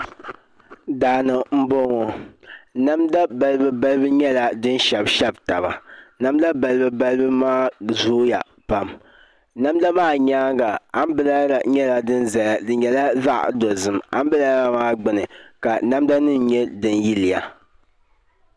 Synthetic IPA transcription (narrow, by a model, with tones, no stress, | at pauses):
daː˨nɨ˨m̩˦bo˦ŋo˨ | na˦mda˦ba˨lɨ˦bɨ˦ba˦lɨ˦bɨ˦ɲɛ˦la˨dɨ˦n˦ʃɛ˨bʃɛ˦bta˨ba̰˨na˦m˦da˦ba˨lɨ˦bɨ˦ba˦lɨ˦bɨ˦maː˦zoː˦ja̰˨ | pa˨m | na˦m˦da˦maː˦˨ɲaː˦ŋɡa˨a˦m˦bɨ˦la˦˨ɲɛ˦la˨dɨ˦nza˨a˨dɨ˨ɲɛ˨la˦za˦ʔdo˨zɨ˨ma̰˨˦m˦bɨ˦la˦ɾa˨maː˦ɡ͡bɨ˨nɨ˨ka˨na˦mda˦nɨ˦n˨ɲɛ˦dɨ˨n˦ji˦lɪ˨ja˨